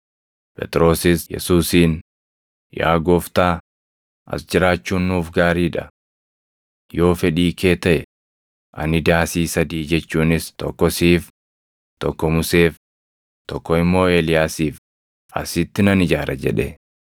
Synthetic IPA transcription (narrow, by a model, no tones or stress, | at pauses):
pʼɛ̰t̪ʼɾo̞ːsɪsjɛ̰suːsiːn | ja̰ːɡoft̪aː | ʔɐ̰sd͡ʒɪɾaːt͡ʃːuːnːuːfɡaːɾiːᶑɐ | jo̞ːfɛᶑiːkʰe̞ːt̪ɐʔɛ | ʔɐ̰nɪd̪aːsiːsɐd̪iːd͡ʒɛt͡ʃːuːnɪst̪ɔkːɔsiːf | t̪ɔkːɔmʊse̞ːf | t̪ɔkːɔɪmːo̞ːeːlɪjaːsiːf | ɐ̰sɪt̪ːɪnɐnɪd͡ʒaːɾʔɐd͡ʒɛᶑḛ